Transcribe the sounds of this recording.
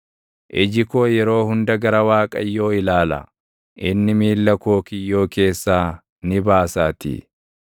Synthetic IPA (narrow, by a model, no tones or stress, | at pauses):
ʔɪd͡ʒɪko̞ːjɛɾo̞ːhʊnd̪ɐɡɐɾɐwaːkʼɐ̰jːo̞ːɪlaːlɐ̰ | ʔɪnːɪmiːlːɐko̞ːkɪjːo̞ːke̞ːsːaː | nɪbaːsaːt̪ɪ̰